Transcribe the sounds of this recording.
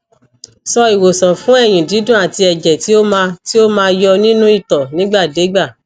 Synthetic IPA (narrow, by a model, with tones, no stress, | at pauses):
sɔ˧i˨wo˨sɔ̃˨fũ˨˦ɛ˦˨j̃ĩ˨di˨˦dũ˦a˨ti˧ɛ˨d͡ʒɛ˨ti˨˦o˦mãː˧˦ti˦o˦mãː˧jɔ˧nĩ˦nũ˦i˦˨tɔ˨nĩ˨˦ɡ͡ba˦˨de˨˦ɡ͡ba˦˨